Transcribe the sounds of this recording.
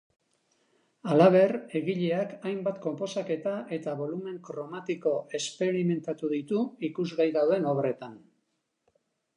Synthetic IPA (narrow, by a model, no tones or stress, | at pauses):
alaβ̞e̞ɾe̞ɣiʎe̞akajmbat̪ko̞mpo̞sake̞t̪aʔe̞t̪aβo̞lume̞ŋkɾo̞mat̪iko̞e̞spe̞ɾime̞nt̪at̪uðit̪uikuzɣajðawðe̞no̞βre̞t̪an